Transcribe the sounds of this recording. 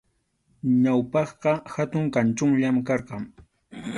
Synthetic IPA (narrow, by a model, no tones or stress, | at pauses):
ɲawpɑχɢɑhat̪ʊŋkant͡ʃʊŋʎamkɑɾɢɑŋ